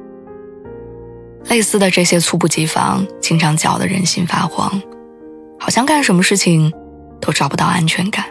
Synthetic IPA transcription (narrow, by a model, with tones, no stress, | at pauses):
le˥˧ɪsɹ̩˥˩d̪ə˩ʈ͡ʂɤ˥˩ɕjɛ˥t͡sʰu˥˧p̬u˥˩t͡ɕi˧˥fɑ̰˧˥ŋt͡ɕʰi˥ŋʈ͡ʂʰɑ˧˥ŋt͡ɕjɑ̰˨˩ʊd̪ə̰˦ɻə̰˧˥nɕi˥nfa̰˥xwɑ̰˧˥ŋ | xɑ˨˩ʊɕjɑ˥˧ŋka˥˩nʂə˧˥nmə˧ʂɻ̩˥˩t͡ɕʰi˨˩ŋ | t̪o˥ʊʈ͡ʂɑ˨˩ʊpu˧˥t̪ɑ˥˩ʊa˥nt͡ɕʰɥɛ˧˥nka˨˩˦n